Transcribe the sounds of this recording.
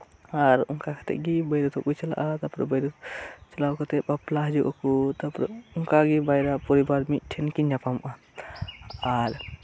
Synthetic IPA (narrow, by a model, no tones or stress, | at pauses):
aɾuŋkakʰə̥t̪ḛɡibəjɾət̪ʰokut͡ʃɐla̰ʔat̪ɐpɾə̰bəjɾət͡ʃɐlawkət̪epɐplaɦd͡ʒuʔokut̪ɐpɾ̰uŋkaɡibajɾapɔɾibaɾmiʈʰenkind͡ʒapamʔa | aɾ